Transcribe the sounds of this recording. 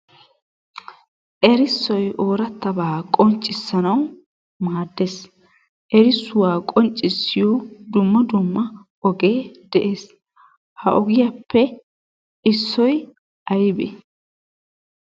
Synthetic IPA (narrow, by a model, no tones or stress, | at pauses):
ʔɛɾɪsːɔjʔoːɾɐt̪ːɐbaːkʼɔnt͡ʃʼːɪsːɐnɐw | maːd̪ːes | ʔɛɾɪsːʊwaːkʼɔnt͡ʃʼːɪsːɪjɔd̪ʊmːɐd̪ʊmːɐ | ɔɡeːd̪ɛʔe̞ːs | hɐʔɔɡɪjɐpːɛ | ɪsːɔj | ɐjbɛ̰